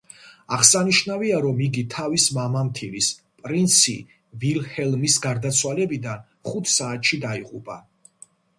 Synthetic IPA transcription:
aʁsaniʃnaviaɾɔmiɡit̪ʰavismamamt̪ʰilis | pʼɾint̪sʰḭ | vilhɛlˠmisɡaɾd̪at̪sʰwalɛbid̪an | χut̪ʰsaːt̪ʃid̪aiʁʼupʼa̰

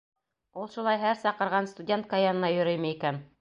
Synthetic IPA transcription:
ulˠʃulˠɑjɦæɾsɑqɤ̆ɾʁɑnst̪ʊdʲe̞nt̪̚kajanɤ̆nɑjɵ̆ɾɘ̆jmɘikæn

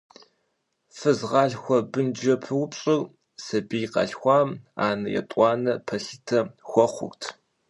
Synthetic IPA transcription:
fɨzʁɑːɮxʷɔbɨnd͡ʒɐpʰɨwʊpɕʼɪr | sɐbijqɑ̰ɬxʷɑːmaːnɐjɛ̰tʼʷɑːnɐpʰɐɬitʰɐxʷɔχʷʊ̰ktʰ

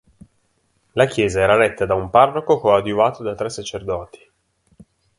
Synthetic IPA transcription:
lakjɛːzaɛːɾaɾɛt̪ːad̪aumparːokokoad̪juvaːt̪od̪at̪ːɾɛsːat͡ʃerd̪ɔːt̪i̥

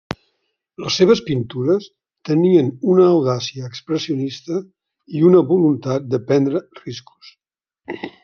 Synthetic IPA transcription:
ləsːeβ̞əspint̪uɾəs | t̪əniənunəːwðasiəːkspɾəsiunist̪ə | iunəβulunt̪at̪̚d̪əpɛnd̪ɾərisku̥s

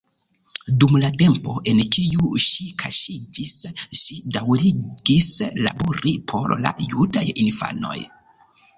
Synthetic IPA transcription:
dumlate̞mpo̞ʔe̞nkʰijuʃikʰaʃid͡ʒisʃidawɾiɡisla̰boɾipʰo̞̰ɾla̰judajinfa̰no̞̰j

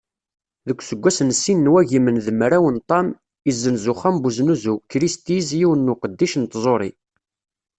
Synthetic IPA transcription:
ðəkʷːsəɡʷːæsənsːinːwæʝimənðəmɾæwənt̪ˤːɑm | izːənzuχæmbuznuzukːɾist̪izjiwənːuqəd̪ːiʃnt̪zˤoɾˤi

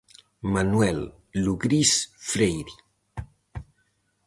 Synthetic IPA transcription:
manwɛlː | uɣɾisfɾejɾi

